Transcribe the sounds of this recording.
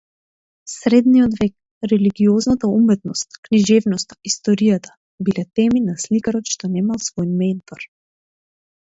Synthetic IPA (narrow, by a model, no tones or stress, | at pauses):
sɾɛd̪nijɔd̪vɛk̚ | ɾɛliɡiɔznat̪aumɛt̪nɔst̪kniʒɛvnɔst̪ḁist̪ɔɾijat̪ḁ | bilɛt̪ɛminaslikaɾɔt̪ʃt̪ɔnɛmalˠsvɔjmɛnt̪ɔɾ